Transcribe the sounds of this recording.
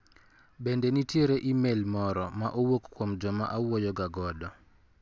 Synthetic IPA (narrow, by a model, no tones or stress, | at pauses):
bendenitjeɾeʔimelmɔɾɔmaʔowokkːwomd͡ʒɔmaʔawojɔɡaɡɔdɔ